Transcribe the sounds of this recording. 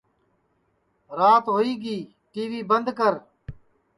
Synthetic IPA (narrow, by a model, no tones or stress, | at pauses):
ɾaːt̪ɦoːiːɡiː | ʈiːʋiːbənd̪kəɾ